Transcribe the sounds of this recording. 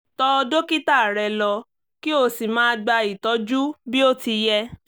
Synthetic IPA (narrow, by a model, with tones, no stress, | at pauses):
tɔ˧do˦ki˦ta˦˨ɾɛ˧lɔ˧ | ki˦o˧˨si˨mãː˦˧ɡ͡ba˧i˨tɔ˨˦d͡ʒu˦bi˦o˦ti˧jɛ˦